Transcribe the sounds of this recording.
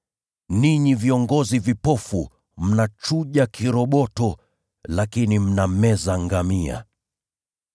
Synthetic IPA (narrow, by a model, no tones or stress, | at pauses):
niɲiviɔŋɡɔzivipɔfu | m̩nat͡ʃuʄakʰiɾɔɓɔtɔ | lakinim̩namɛzaŋɡamia̰